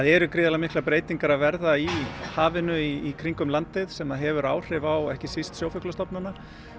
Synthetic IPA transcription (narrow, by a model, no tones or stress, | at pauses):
aðɛɾʏkɾiːðalamɪhklapɾeːjt̪iŋkaɾavɛɾðaihaːvɪnʏiːkʰɾiŋkʏmlant̪ɪðsɛmaðɦɛvʏɾaːwr̥ɪvawɛhcɪsist̪sjoːwfʏklast̪ɔpnana